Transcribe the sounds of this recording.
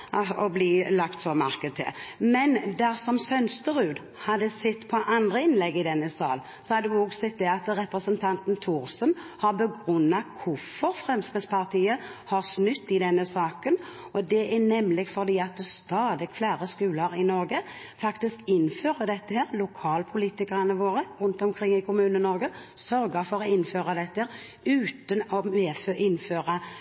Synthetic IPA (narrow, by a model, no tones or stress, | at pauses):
ɔbliːlɑkt̪sɔmɑʁkəd̪̚t̪ʰɪ̰lmɛnd̪æʁsɔmsœnst̪əɾʉːd̪ | hɑd̪ːəsɛt̪ːpʰɔʔɑnd̪ʁəɪnlɛɡːɪd̪ɛnːəsɑ̰ːl | sɔhɑd̪ːɔɡsɛt̪̚ːd̪ɛɑt̪ɾɛpʁəsənt̪ʰɑnt̪nt̪ʰuːɾsənhɑʁbəɡɾʉnːɑkʰʊfɔɾfʁɛmskɾɪspʰɑʁt̪ʰiːəhɑɾsnʉt̪ːɪd̪ɛnːəsɑːkən | ɔd̪ɛʔænɛmlɪɡfɔɾd̪iːɑt̪̚d̪ɛst̪ɑːd̪ɪɡflæːʁəskʉːləɾɪnɔɾɡə | fɑkt̪ɪskɪnːføːʁəd̪ɛt̪ːəheːɾlʊkʰɑːlpʰʊliːt̪ɪkəʁənəʋoːɾəɾʉnt̪ɔmkʰɾɪŋːɪkʰʊmʉːnənɔɾɡə | sœɾɡəfɔɾɔɪnːføːʁɑd̪ɛt̪ːəheːɾ | ʉːt̪ənɔmɛːføʔɪnføːʁɑ